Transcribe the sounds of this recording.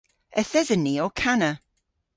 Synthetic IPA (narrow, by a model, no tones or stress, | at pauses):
əθɛzəniɔkʰanə